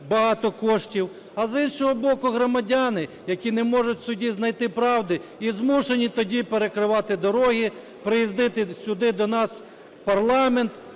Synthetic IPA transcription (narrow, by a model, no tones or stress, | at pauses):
bɐɦɑt̪ɔkɔʃtʲiw | ɐzinʃɔɦɔbɔkʊɦɾɔmɐdʲanɪ | jɐkʲinɛmɔʒʊtʲsʊdʲiznɐjt̪ɪpɾɑwd̪ɪizmuʃenʲit̪ɔdʲipeɾekɾɪʋɑt̪ɪd̪ɔɾɔɦi | pɾɪjizd̪ɪt̪ɪsʲʊd̪ɪd̪ɔnɑs | wpɐrlˠɑment̪